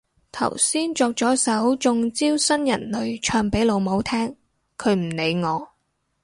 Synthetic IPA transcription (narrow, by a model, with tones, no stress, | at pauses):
t̪ʰɐ̰˨˩wsiː˥nt͡sɔː˧k̚t͡sɔː˨˥sɐ˨˥wt͡sʊ˧ŋt͡siː˥wsɐ˥njɐ˨˩nlɵ˨˧ɥt͡ʃʰœː˧ŋpe˨˥jlo˨˧wmo˨˥wt̪ʰɛː˥ŋ | kʰɵ˨˧ɥm̩˨˩ne˨˧jŋɔː˨˧